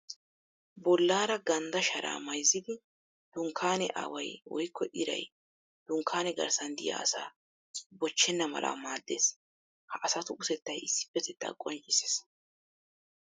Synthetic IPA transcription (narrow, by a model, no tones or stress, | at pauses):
bɔlːaːɾɐɡɐnd̪ɐʃɐɾa̰ːmɐjzːɪd̪ɪ | d̪̥ʊŋkʰːaːnɛʔa̰ːwɐjwɔ̰jkːɔʔɪɾɐ̰j | d̪̥ʊŋkʰːaːnɛɡɐ̰ɾsɐnd̪ɪ̰ja̰ːɐsa̰ː | bɔt͡ʃːɛnːɐmɐ̰lʔa̰ːmaːd̪ːe̞̰ːs | hɐʔɐsɐt̪ʊʔʊsɛt̪ːɐjɪsːɪ̥bɛt̪ɛt̪ːa̰ːkʼɔnt͡ʃʼːɪse̥s